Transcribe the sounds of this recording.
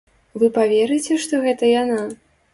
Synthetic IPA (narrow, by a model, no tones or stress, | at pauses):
vɨpavʲɛɾɨt͡sʲɛʂt̪ɔɣɛt̪ɐjana